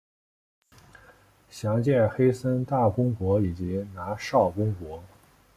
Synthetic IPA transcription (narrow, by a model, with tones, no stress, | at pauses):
ɕjɑ˧˥ŋt͡ɕjɛ˥˩nxe˥ɪsə˥nt̪a˥˩kʊ˥ŋkwɔ˧˥i˨˩t͡ɕi˧˥na˧˥ʂɑ˥˩ʊkʊ˥ŋkwɔ˧˥